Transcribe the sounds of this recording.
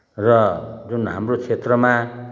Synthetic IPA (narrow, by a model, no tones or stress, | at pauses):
rʌd͡zunɦa̰mrot͡sʰet̪rʌma